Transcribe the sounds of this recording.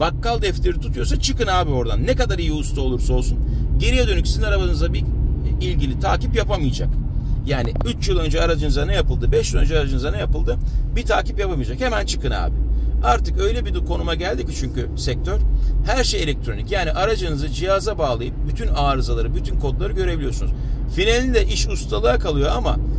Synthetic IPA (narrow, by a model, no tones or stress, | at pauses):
bakːalˠd̪ɛft̪ʰeɾit̪ʰut̪ʰujo̞ɾsat͡ʃʰɯkɯnaːbio̞ɾd̪anːeɛkad̪aɾijiust̪ʰao̞lˠuɾsao̞lˠsunɟe̞ɾijɛd̪ø̞nycʲsinaɾabanɯzabiilʲɟilʲit̪ʰaːcipjapamɯjd͡ʒa̰kjaːniyt͡ʃjilˠø̞nd͡ʒɛaɾad͡ʒɯnɯzanɯjapɯlˠd̪ɯbɛʃjilˠø̰nd͡ʒɛaɾad͡ʒɯnɯzanajapɯlˠd̪ɯbit̪ʰaːcipjapamɯjd͡ʒakhe̞mænt͡ʃʰɯ̥kɯna̰ːbɪaɾt̪ɯkø̞jlʲɛbid̪ukʰo̞numaɟælʲd̪ici̥t͡ʃʰyɲcysɛc̚t̪ʰøɾhæɾʃejelʲɛk̚t̪ʰɾo̞nicjaːniʔaɾad͡ʒɯnɯzɯd͡ʒijazabaːlˠajɯp̚byt̪ʰynaːɾɯzalˠaɾɯbyt̪ʰynkʰo̞d̪lˠaɾɯɟø̞ɾe̞bilʲijo̞sun̰z̥finelʲid̪ɛʔiʃust̪ʰalˠaakʰalˠɯjo̞ama̰